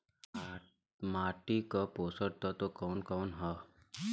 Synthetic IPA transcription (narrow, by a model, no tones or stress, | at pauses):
maːʈikəpoːsəɽt̪ət̪okɔːnkɔːnɦə